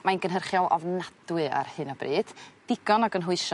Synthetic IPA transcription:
majnɡənɦərχjɔlˠʔɔ̰vnad̥wɨa̰rhɨnabrɨːd̥d̥ɪɡɔnɔɡənɦʊɨʃ

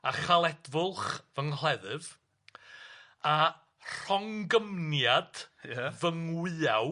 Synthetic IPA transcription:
aχalˠɛdvʊlˠχvəŋl̥ˠɛðɨv | a | r̥ɔŋɡəmnjad̥vəŋwɨːaw

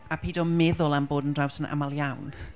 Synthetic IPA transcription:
apʰiːdɔmɛðʊlˠanboːdəndrawsənʔa̰malˠjawn

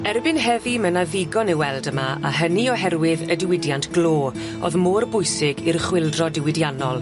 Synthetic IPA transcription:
ɛrbɪnɦɛvimənaðɪɡɔnɪwɛlˠdəmaa̰ɦəniɔɦɛrwɪðədɪwɪdjantɡ̥loː | o̰ðmoːrbʊjsɪɡirχwɪlˠdrɔdɪwɪdjanɔlˠ

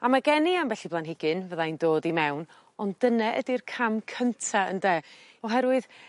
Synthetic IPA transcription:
amaɡɛniambɛɬiblˠanɦɪɡɨnvəðaindoːdimɛwn | ɔndənɛʔədirkʰamkʰəntʰaə̰ndɛːɔɦɛɾwɨð̥

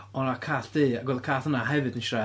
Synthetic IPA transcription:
ɔnakʰaːɬd̥iːaɡwɛlˠkʰaːθənaɦɛvɨdənʃra

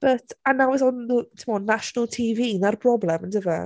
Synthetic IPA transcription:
b̥ətʰanawɛθɔnðutʰɪmɔnaʃɔnəlˠtʰiːviːinarbrɔblˠɛməndəvɛ

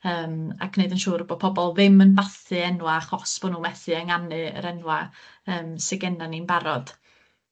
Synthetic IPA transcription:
əːma̰kʰneɨdənʃuːɾəbɔd̥̚pʰɔbɔlˠvɪmənbaθɨɛnwaχɔsb̥ɔnuːmɛθɨəŋanɨə̰ɾɛnwa | əːmsɛɡɛnaninbaɾɔd̥

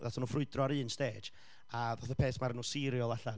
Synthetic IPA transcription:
ðatʰɔnuːfrʊɨdrɔaɾɨːnsteːd͡ʒ | aðoθəpʰeːθmaɾənuːsɪɾjɔlˠaɬa

